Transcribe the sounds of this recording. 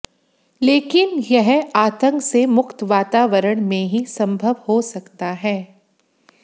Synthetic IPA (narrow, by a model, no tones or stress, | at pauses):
leːkɪnjɛɦaːt̪ə̃ŋksemʊkt̪ʋaːt̪aːʋəɾəɽ̃mẽɦisɐ̃mbʱəʋhosɐkt̪aɦɛː